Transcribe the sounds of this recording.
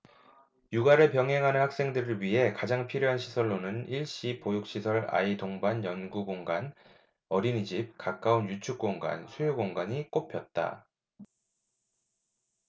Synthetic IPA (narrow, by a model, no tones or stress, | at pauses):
juɡaɾɯɭpjʌŋɦe̞ŋɦanɯnhak̚s͈e̞ŋdɯɾɯɭɥiɦe̞kad͡ʑaŋpʰiɾjoɦanɕʰisʰʌɭːonɯniɭɕ͈ipojuk̚ɕ͈isʰʌɾa̰itoŋbanjʌnɡuɡoŋɡan | ʌɾinid͡ʑip̚kak͈aunjut͡ɕʰuk̚k͈oŋɡa̰nsʰujuɡoŋɡaɲik͈opʰjʌt̚t͈a̰